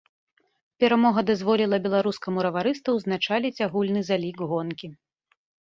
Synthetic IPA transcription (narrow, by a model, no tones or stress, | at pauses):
pʲɛɾamɔɣɐd̪azvɔlʲilˠɐbʲɛlˠaɾuskɐmuɾɐvaɾɨst̪ɐwznat͡ʂalʲit͡sʲaɣulʲnɨzalʲiɡɣɔnkʲi